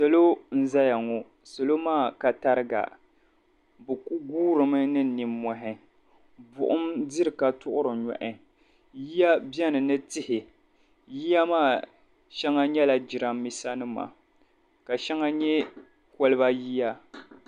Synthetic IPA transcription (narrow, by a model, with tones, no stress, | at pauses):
sa˨lo˦n̩˦za˦ja˨ŋɔ˨ | sa˨lo˦maː˦˨ka˨ta˦ɾɨ˦ɡa̰˨ | bɨ˨ku˦ɡuː˦ɾɨ˨mɨ˦nɨ˦˨ni˨mːɔ˨ɦɪ˦ | bʊ̰˨ʔʊ˦mdi˦ɾɨ˨ka˨tʊ˦ʔʊ˦ɾɨ˨ɲɔ̰˨ʔɪ˦ | ji˦ja˦bɛ˦nɨ˨nɨ˦tɪ˦hɪ˨ | ji˦ja˦maː˦˨ | ʃɛ˦ŋa˦ɲɛ˦la˨d͡ʒɪ˨ɾa˨mːi˦sa˦nɨ˦ma̰˨ | ka˨ʃɛ˦ŋa˦ɲɛ˦ | kɔ˦lɨ˦ba˦ji˦ja˦